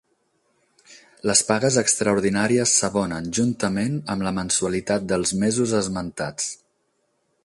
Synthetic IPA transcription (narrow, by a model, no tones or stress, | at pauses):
ləspaɣəzəkst̪ɾəuɾðinaɾiəsːəβɔnənʒunt̪əmenəmləmənsuəlit̪at̪̚d̪əlˠzmɛzuzəzmənt̪a̰t͡s